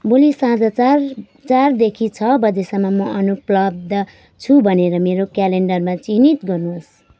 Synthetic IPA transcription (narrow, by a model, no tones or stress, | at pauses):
bulisãd͡zʌt͡sr | t͡sard̪ekʰit͡sʰʌbʌd̪esamamʌʔʌnuplʌb̚d̪ʌ | t͡sʰubʱʌneɾʌmeɾokjaleɳɖʌrmãt͡sinit̪ɡʌrnus